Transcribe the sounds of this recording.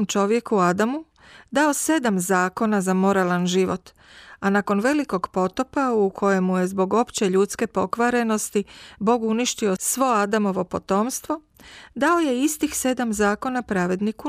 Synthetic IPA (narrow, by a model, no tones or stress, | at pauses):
mt͡ʃo̞ʋje̞kuad̪amu | d̪ao̞se̞d̪amzaːko̞nazamo̞ɾalanʒiʋo̞̰t̪ | anako̞nʋe̞liko̞ɡpo̞t̪o̞paukʰo̞je̞mːuje̞zbo̞ɡo̞pt͡ɕe̞ʎuːt̪ske̞po̞kʋaɾe̞no̞st̪ibo̞ːɡuniʃt̪io̞sʋo̞ad̪amo̞ʋo̞po̞t̪o̞ːmst̪ʋo̞ | d̪ao̞je̞ist̪ixse̞d̪amzaːko̞napɾaʋe̞d̪niku